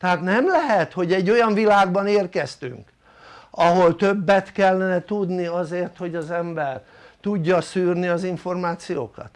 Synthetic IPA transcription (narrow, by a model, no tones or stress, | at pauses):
t̪ɛɦaːt̪nɛmlɛɦɛt̪ho̞ɟɛɟːo̞jɒɱvilaːɡ̚bɒneːrkɛst̪y̰ŋk | ɒɦo̞lt̪øbːɛt̪kɛlːɛnɛt̪ud̪niɒzeːrt̪ho̞ɟɒzɛmbɛr | t̪uɟːɒsyːrniɒziɱfo̞rmaːt̪sijo̰ːkɒ̰t̪